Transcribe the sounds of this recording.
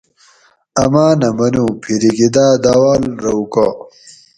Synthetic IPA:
ɐmaːnɐmɐnuːpʰiɾiɡid̪aːd̪aːwaːlɾɐukaː

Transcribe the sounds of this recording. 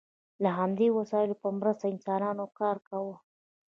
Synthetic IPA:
laɦamd̪ewasɑɪlopəmɾəst̪aɪnsɑnɑnokɑɾkawə

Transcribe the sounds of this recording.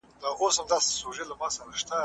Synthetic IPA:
d̪aɣosamd̪ɑse̥soʐelamɑːsaɾaʃt̪a

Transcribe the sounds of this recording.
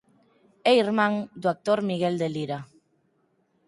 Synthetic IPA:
eiɾmãŋd̪uak̚t̪oɾmiɣ̞eld̪eliɾa

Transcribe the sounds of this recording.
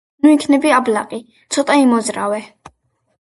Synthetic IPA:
uikʰnɛbiablaqʼi | t̪sʰɔt̪ʼaimɔzɾavɛ

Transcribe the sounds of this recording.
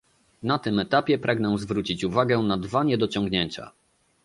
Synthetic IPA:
nat̪ɘmɛt̪apʲjɛpɾʔaɡnɛw̃zvɾut͡ɕit͡ɕuvaɡɛnad̪vaɲɛd̪ɔt͡ɕɔ̃ŋɡɲeɲt͡ɕa̰

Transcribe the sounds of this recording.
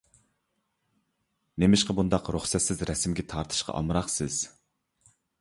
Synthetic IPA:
nemɪʃqɑbund̪ɑqɾuχsɛt̪sɪzɾɛsmɡʲɛt̪ʰɑɾt̪ʰɨ̥ʃqʰɑ̰ʔɑ̰mɾɑχsɪz̥

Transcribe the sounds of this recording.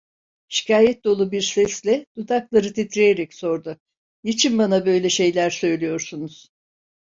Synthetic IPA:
ʃi̥cʰaːjɛt̪̚d̪o̞lˠubiɾsɛslʲɛd̪̥ut̪ʰaklˠaɾɯt̪ʰit̪ʰɾejeɾɛcso̞ɾd̪ʊ | jit͡ʃʰinbanabø̞jlʲɛʃe̞jlʲæɾsø̞jlʲijo̞ɾsunuz̥

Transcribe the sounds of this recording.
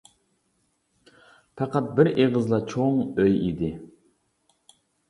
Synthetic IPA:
pʰɑqɑt̪̚bɪɾeʁəzlˠɑt͡ʃʰoŋøjid̪ɪ

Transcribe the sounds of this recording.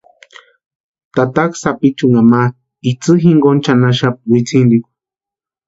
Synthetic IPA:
t̪at̪aksapit͡ʃuŋama | it͡sɨɦiŋɡont͡ʃanaʃap̚wit͡sʰind̪ikʷ

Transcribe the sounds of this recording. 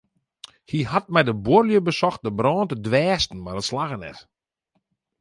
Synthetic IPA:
hihat̚mɛjdəborljəbəsɔxt̚dəbrɔːntədʋɛːstn̩madətslaɣənɛ̰t

